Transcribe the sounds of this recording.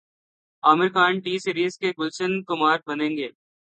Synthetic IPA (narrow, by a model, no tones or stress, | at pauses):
aːmɪɾkaːɳʈiːsiɾiːzkekʊlt͡ʃənkʊmaːɾ̚bɐnẽːŋɡeː